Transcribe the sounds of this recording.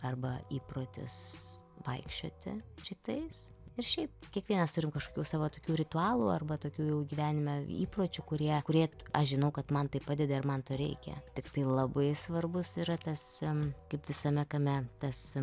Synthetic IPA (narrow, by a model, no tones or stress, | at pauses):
ɐrbɐiːpɾoːt̪ʲɪ̰s | ʋɐɪkʃʲt͡ʃʲo̰ːt̪ʲɪ̰rʲiːt̪ɐɪs | ɪrʃʲɛɪp̚kʲiɛkʋʲiɛnɐst̪ʊɾʲɪmkɐʃkoːkʲuːsɑːʋoːt̪oːkʲuːɾʲɪt̪ʊɑːlˠuːɐ̰rbɐt̪oːkʲuːjɛʊɡʲiːʋʲæːnʲɪmʲɛḭːproːt͡ʃʲʊkʊɾʲiɛkʊɾʲiɛɐʃʒʲɪnɐʊkɐt̪mɐnt̪ɐɪpːɑːd̪ʲɛd̪ɐɪrmɐnt̪oːɾʲɛ̰ɪkʲɛ̰tʲɪkt̪ɐɪlˠɐbɐɪsʋɐrbʊsiːɾɐt̪ɐskɐɪpʋʲɪsɐmʲɛkɐmʲɛt̪ɐs